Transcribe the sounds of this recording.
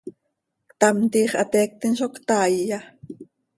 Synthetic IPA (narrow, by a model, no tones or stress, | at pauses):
t̪amt̪iːχat̪eːk̚t̪ɪnʃokt̪aːja